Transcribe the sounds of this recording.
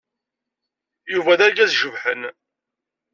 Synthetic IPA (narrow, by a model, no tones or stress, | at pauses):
juvæðæɾɡæzʒəvħən